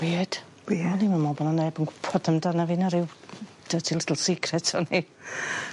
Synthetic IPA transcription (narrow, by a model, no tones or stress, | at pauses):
wiːd̥ | iɔnimanmɔbɔnanɛbənɡpʰɔdəmdanavɪnaɾɪw | d̥ətʰilˠɪdəl̩ˠsɪkʰrɛtʰɔni